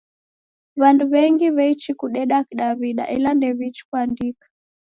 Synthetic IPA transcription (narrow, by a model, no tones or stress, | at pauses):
βanduβɛŋɡiβɛit͡ʃikuɗɛɗakiɗaβiɗa̰ʔɛlandɛβit͡ʃi̥kuandikḁ